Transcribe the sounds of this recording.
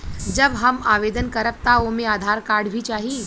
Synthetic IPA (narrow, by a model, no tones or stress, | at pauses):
d͡ʒəbɦəmaːʋeːd̪ənkəɾəp̚t̪aomẽaːd̪ʱaːɾkaːɾɖbʱit͡ʃaːɦi